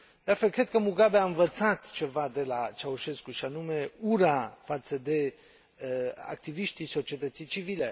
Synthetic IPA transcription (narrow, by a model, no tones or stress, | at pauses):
d̪̥aɾfɛlkɾɛt̪kəmuɡabeaənvət̪t͡sʰat̪t͡ʃʰɛvad̪elat͡ʃʰauʃɛskuʃanumɛuɾafat̪səd̪ɛ | a̰k̚t̪iviʃt̪isɔt͡ʃiɛt̪ət̪sit͡ʃʰivilɛ